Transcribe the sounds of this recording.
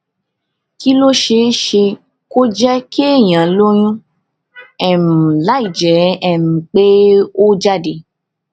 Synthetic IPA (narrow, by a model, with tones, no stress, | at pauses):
ki˦lo˦ʃe˧˦ʃe˧ | ko˦d͡ʒɛ˦kʰe˦˨j̃ã˨˦lo˦j̃ũ˦ | ɛ˨mũ˨la˨˦i˨d͡ʒɛ˨˦ɛ˨mũ˨k͡pe˦o˦d͡ʒa˦de˨